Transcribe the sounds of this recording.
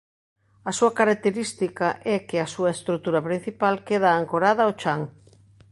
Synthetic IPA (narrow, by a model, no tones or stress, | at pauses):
ɐsuɐkaɾak̚t̪eɾist̪ikɐʔɛkɪɐsuɐest̪ɾut̪uɾɐpɾin̟θipalkeð̞aːŋkoɾaðɐot͡ʃaŋ